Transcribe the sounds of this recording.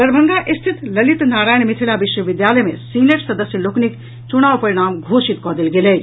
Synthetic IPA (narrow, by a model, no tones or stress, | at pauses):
d̪əɾbʱəŋɡaʔist̪ʰit̪lɐlit̪naːɾajnmit̪ʰilabiʃwəʋid̪jaləjmḛsileʈsɐd̪əsjəloknik | t͡ʃuɽ̃aʋpɐɾiɽ̃aːmɡʱosit̪kɔd̪elɡelej